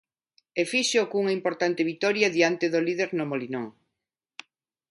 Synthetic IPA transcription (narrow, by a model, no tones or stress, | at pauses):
efiʃokuŋɐimpoɾt̪ant̪eβit̪ɔɾjɐðiant̪eðoliðeɾnomolinoŋ